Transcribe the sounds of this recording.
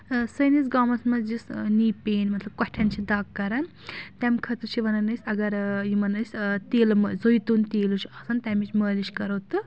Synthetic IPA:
sɐjnisɡamɐsmɐd͡ʒisniːpeːnmɐt̪lɐb̚kɔʈʰɐnt͡ʃʰid̪ɐkːɐɾɐn | t̪ʲɛmʲkʰɐt̪ɨt͡ʃʰiʋɐnɐnɐsʲɐɡɐɾjimɐnɐsʲt̪eːlɨmɐzojt̪unt̪eːlut͡ʃʰiɐsɐnt̪ʲamit͡ʃʰməːlit͡ʃkɐɾɐt̪ɨ

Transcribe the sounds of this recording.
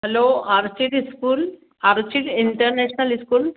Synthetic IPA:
ɦɛloːaɾt͡ʃiʈiskuːl | aɾt͡ʃiʈiɳʈəɾneɕnɐliskuːl

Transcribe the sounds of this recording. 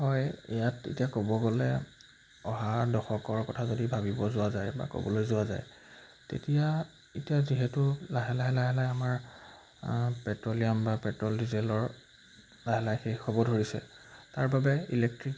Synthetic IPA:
hɔjijatḛtijakobɔɡɔlɛ | ɔɦadɔxɔkɔɹkɔtʰazodibʱabibɔzʊwazajba̰kɔ̰bɔlojzʊwaza̰j | tḛtija | etijaziɦɛtʊlaɦɛlaɦɛlaɦɛlajamaɹ | pɛtɹolijambapɛtɹɔldizɛlɔɹ | laɦɛlajxejxɔbɔdʱoɹisɛ̰taɹbabɛilɛk̚tɹik

